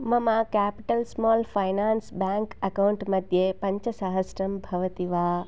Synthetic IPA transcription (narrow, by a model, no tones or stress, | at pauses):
mɐmãkɛːpɪʈəlsmɔːlfaːɪnaːnsbɛ̃ːŋkɐkawɳʈmɐd̪ʱjepɐ̃ɲt͡ɕəsaɦəsɾɐmbʱɐʋət̪iʋaː